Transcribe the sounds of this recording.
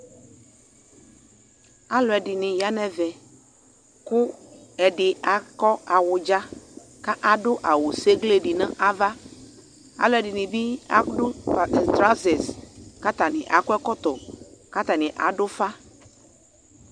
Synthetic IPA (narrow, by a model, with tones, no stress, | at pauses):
a˦lɔ˨ɛ˨ɖi˨nĩ˨ja˦nɛ̃˦vɛ˨ | ku˦ɛ˨ɖɪ˨a˨kɔ˦a˨wo˨d͡ʒa˦ | ka˦ʔa˨ɖo˦ʔa˨wo˨se˦ɡle˦ɖi˨nɛ̃˦ʔa˦va˦ | a̰˨lɔ˨ɛ˨ɖi˨nĩ˨bi˦a̰˦ɖo˦˨t̪ɾa˦ze˨ska˦t̪a˨nḭ̃˨ʔa˨ku˦ɛ˦kɔ˦t̪ɔ˨ka˦t̪a˨nĩ˨ʔa̰˨ɖo˦fa˦